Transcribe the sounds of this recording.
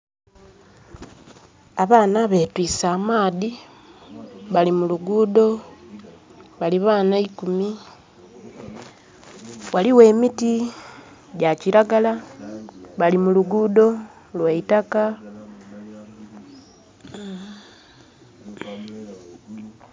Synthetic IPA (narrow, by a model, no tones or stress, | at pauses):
aβaːnaβe̞twiːsaːmaːði | βalimuluɡuːdo̞ | βaliβaːnaikumi | waliwe̞ːmiti | ɟaciɾaɡala | βalimuluɡuːdo̞ | lweitaka